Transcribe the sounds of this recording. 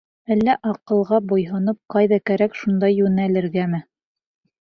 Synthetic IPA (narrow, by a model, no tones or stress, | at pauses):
ælːæʔɑqɤ̆lˠʁɑbujɦɤ̆nɤp̚qɑjðɑkæɾækʃund̪ɑjːʉnælɘ̆ɾɡæmɘ